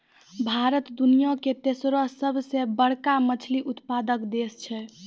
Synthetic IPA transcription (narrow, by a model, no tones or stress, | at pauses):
bʱaɾət̪d̪unijoket̪esɾosəbʱsebəɽ̤kamət͡ʃʰliʔut̪pad̪əkd̪est͡ʃʰɛ